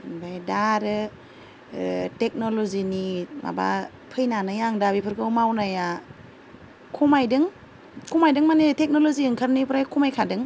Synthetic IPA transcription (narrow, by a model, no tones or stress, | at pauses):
bajdaɾɯ | tek̚nɔlɔzinimʔa̰ba̰ | pʰɯjnanɯjaŋdabipʰɯɾkʰɯwmawnaja | kʰumajdɯŋ | kʰumajdɯŋmanitek̚nɔlɔziɯŋkʰaɾnipʰɾajkʰumajkʰadɯŋ